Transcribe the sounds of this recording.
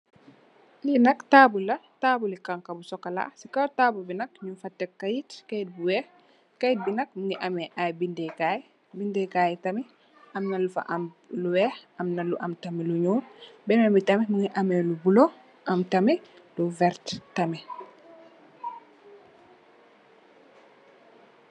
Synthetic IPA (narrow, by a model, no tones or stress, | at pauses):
linɐktaːbulɐtaːbulikaŋkɐbusɔkːɐla̰sikɐtaːbubinɐk̚ɲumfɐtːɛkːɐjitkɐjit̚buwɛx | kɐjit̚binɐk̚muŋɡiʔɐmɛʔajbindɛkaj | bindɛkaːjtɐmi | ʔɐmnɐlufɐ̰ʔɐm | luwɛːxɐmnɐluʔɐmtɐmiluɲuːnbɛnɛmbitɐmɛmuŋiʔɐmɛlubulo | ʔɐmtɐmi | luvɛɾttɐmɛ